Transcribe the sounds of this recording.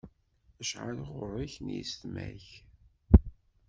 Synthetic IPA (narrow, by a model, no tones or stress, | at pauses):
əʃʕa̰lʁʊrˤːiçnjist̪mæ̰ç